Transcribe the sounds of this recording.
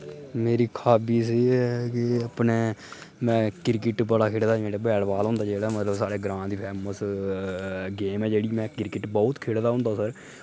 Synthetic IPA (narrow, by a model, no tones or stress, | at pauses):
meːɾiːkʰaːbiːsiːkɪəpneːmɛ̃ːkɪɾkɪʈbəɽaːkʰeːɽd̪aːiːmeːɽaːbɛːɽʋaːlɦʊ̃nd̪aːd͡ʒeːɽaːmət̪ləbsaːɽeːɡɾãːnd̪iːpʰɛːməs | ɡeːmɛːd͡ʒeːɽiːmɛ̃ːkɪɾkɪʈbɔːʊt̪kʰeːɽd̪aːɦʊ̃nd̪ãːsəɾ